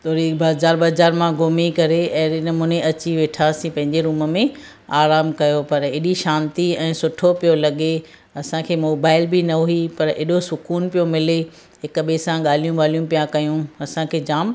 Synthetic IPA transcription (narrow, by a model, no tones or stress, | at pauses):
t̪ʰoːɾibaːzaːɾbɐːzaːɾmãɡoːmikɐɾeɛ̃ːɪnmũːneʔɐt͡ɕiʋeːʈʰasĩpɐ̃ɦɪ̃ɲd͡ʑeɾuːməmẽ | aːɾaːmkɐjopɐɾeːɗiʃãːnt̪iɛ̃ːsʊʈʰopijolɐɠe | ɐsãkʰeːmoːbaːɪlbɪnɐoipɐɾḛːɗosʊkuːnpijomɪle | ɦɪkɓesãɠaːl̤ijũɠaːl̤ijũpijãkɐjũɐsãkʰeːd͡ʑaːm